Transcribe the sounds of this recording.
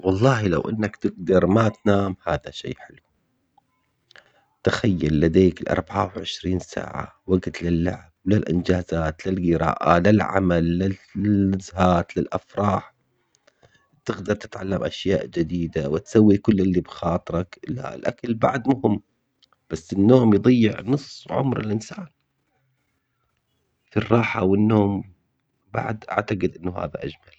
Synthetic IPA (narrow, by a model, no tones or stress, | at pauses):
wɑlˤːɑːhilawʔɪnːakt̪ɪɡ̚d̪ɑɾˤmat̪naːmhaːðaʃḛːħɪlu | t̪axajːalːad̪eːkɪlʔɑ̰ɾˤbaʕawʕɪʃɾiːnsa̰ːʕa̰waɡt̪lɪlːaʕb̚lɪlʔɪnd͡ʒaːzaːt̪lɪlɣɪɾɑ̰ːʔalɪlʕa̰malːɪ | zhaːt̪lɪlʔafɾˤɑːħ | t̪ɪɣd̪ɑɾˤt̪ɪ̥t̪ʕalːamʔa̰ʃjaːʔd͡ʒɪd̪iːd̪awɪt̪sawːikʊlːʔɪlːibxɑːt̪ˤɨɾˤɑkla̰ɪ̰lʔakalbaʕd̪mʊhɪmː | b̥asːɪnːoːmjðˤɑjːɪʕnɨsˤːʕʊ̰mɾɪ̰lʔɪnsaːn | firˤːɑːħawɪnːoːm | ba̰ʕd̪ʔa̰ʕt̪aqɪd̪ʔɪnːʊha̰ːðaʔad͡ʒmal